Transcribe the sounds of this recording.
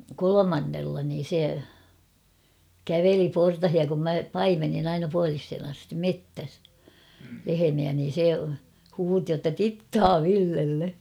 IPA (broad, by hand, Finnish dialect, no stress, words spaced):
kolomɑnːelːɑ niːn̞ se kæʋeli portɑhiɑ kum mæ pɑimenːin ɑinɑ puɑlishen ɑstim metːæs lehemiæ niːn̞ se huːti jotːɑ titːɑː ʋilːelːe